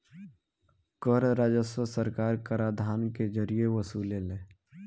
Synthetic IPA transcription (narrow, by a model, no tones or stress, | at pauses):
kəɾɾaːd͡ʒəswəsəɾkaːɾkəɾaːd̪ʱaːnked͡ʒəɾijeʋəsuːleleː